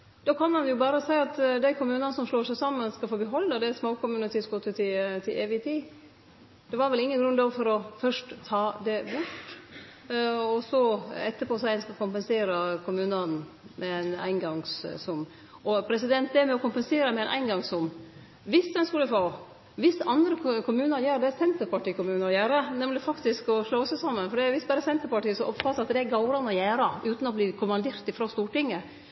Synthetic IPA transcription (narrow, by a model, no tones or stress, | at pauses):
d̪̥oːkʰɑnmɑnjʊbɑːɾəsæɪɑt̪d̪æɪkʰʊmʉːnɑnəsɔmʂloːʂæɪsɑmːənskɑfoːbəɦɔlːəd̪ɛsmoːkʊmʉːnət̪ʰiːsɡot̪ʰət̪ʰɪt̪ʰɪlʔeːʋɪt̪ʰiː | d̪̥ɛʋɑɾʋɛlɪŋːənɡɾʉnd̪ɑʋfɔɾɔfœʂʈt̪ʰɑːd̪ɛbʊʈ | ɔsɔɛt̪ːəpʰɔsæɪɛnskɑkʊmpɛnseːɾəkʰʊmʉːnɑn | mʔɛɛnæ̰ɪnɡɑŋssʊm | ɔpʰɾɛsɪd̪ɛnt̪̚d̪ɛmɛɔkʊmpɛnseːɾəmɛɛnʔæ̰ɪnɡɑŋsʊm | ʋɪsd̪ɛnskʉlːəfoː | ʋɪsɑnd̪ɾəkʰʊmʉːnəɾjæːɾd̪ɛæsɛnt̪əɾpɑʈiːkʊmʉːnəɾɔjæːɾənɛmlɪfɑkt̪ɪskɔʂlɑʊsəsɑmːənfɔɖɛʋɪsbæːɾəsɛnt̪əɾpɑʈiːəsɔʔɔpfɑɾɑt̪d̪ɛæɡɑʊɾɑnəɔjæːɾɑʉːt̪n̩ɔbliːkʰʊmɑnd̪eːɾt̪ɪfɾoːst̪uːʈɪŋːə